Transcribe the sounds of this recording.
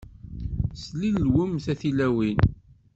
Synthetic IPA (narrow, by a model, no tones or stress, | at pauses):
slilːwəmθæθilæwin